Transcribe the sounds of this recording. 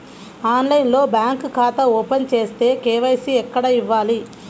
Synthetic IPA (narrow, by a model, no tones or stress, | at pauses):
aːnlɐjinlo̞ːbjaːŋkkʰaːt̪ɐɔːpent͡ʃe̞ːst̪e̞ːkeːʋɐjsiɛkːɐɽɐiʋːaːli